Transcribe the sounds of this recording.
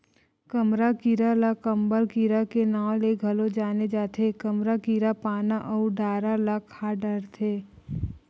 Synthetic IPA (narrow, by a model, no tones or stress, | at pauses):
kəmɾakiɾalakəmbəlkiɾakenaːwleɡʱɐlod͡ʒaːned͡ʒaːt̪ʰekəmɾakiɾapaːnaʔɔːɾɖaːɾalakʰːaːɖəɾt̪ʰeː